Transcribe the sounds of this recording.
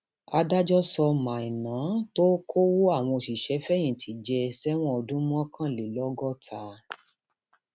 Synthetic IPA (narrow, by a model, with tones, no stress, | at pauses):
a˧da˦d͡ʒɔ˦sɔ˧mã˨i˨nãː˨˦to˦kʰo˦wo˦a˦˨w̃ɔ̃˧o˨ʃi˨ʃɛ˨˦fɛ˦j̃ĩ˦˨tʰi˨˦d͡ʒɛ˧sɛ˦w̃ɔ̃˦ɔ˧dũ˦m˦ɔ̃˦kʰã˦˨le˨lɔ˦ɡɔ˦tʰa˧˦